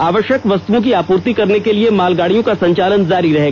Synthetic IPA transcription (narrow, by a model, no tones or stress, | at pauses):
aːʋəʃjəkʋɐst̪uʋõk̬iaːpuːɾt̪ikɐɾnekeliemaːlɡaːɽijõkasɐ̃ɲt͡ʃaːlənzaːɾiɾɐɦeːɡaː